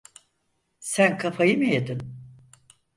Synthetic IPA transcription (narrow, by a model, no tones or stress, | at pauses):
sænkʰafʰajɯmɯjed̪ɪn